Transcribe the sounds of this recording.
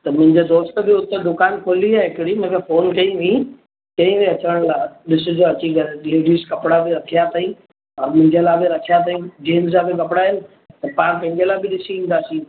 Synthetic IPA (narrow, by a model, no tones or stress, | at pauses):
t̪ɐmʊ̃ɦɪ̃ɲd͡ʑed̪oːst̪̆bɪʊt̪ed̪ʊkaːnkʰoːliaːɦɪkɪɽimʊ̃ɦkʰefoːnkɐiʋĩ | kɐ̃ĩʋẽɐt͡ɕəəɽ̃laɗɪsʊ̆d͡ʑoɐt͡ɕiɡɐlliːɖiskɐpɽabɪɾɐkʰijat̪ʰaĩ | ɔːɾmʊ̃ɦɪ̃ɲd͡ʑeəlaːbeɾɐkʰijat̪ʰaĩd͡ʑeːnzabɪk̬ɐpɽaɦɪnɪ̆ | t̪ɐpãːɽ̃pɐ̃ɦɪ̃ɲd͡ʑelaːbɪɗɪsiĩːnd̪aːsĩː